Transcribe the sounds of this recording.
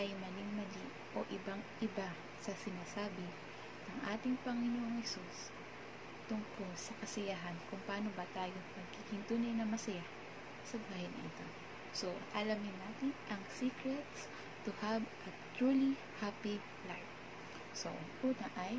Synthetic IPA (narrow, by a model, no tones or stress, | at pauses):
ʔɐjmɐlɪŋmɐli | ʔo̞̰ʔɪbaŋʔɪba | sɐsɪnaːsaːbɪ | nɐŋʔaːt̪ɪŋpɐŋɪnoʔoŋhɛsus | t̪ʊŋko̞lsɐkɐsɐjaɦɐnkʊŋpɐaːno̞bɐt̪aːjopɐɡ̚kihɪnt̪unɪnɐmɐsɐja | sɐɡahɪnɪ̰t̪o | so̞ʔɐlɐmɪnːaːt̪ɪnʔɐŋsikɾɛt̪s | t̪ʊhavʔɐt̪ɹuːli | hapi | lajf | so̰ʔɐŋʔuːt̪ɐʔɐj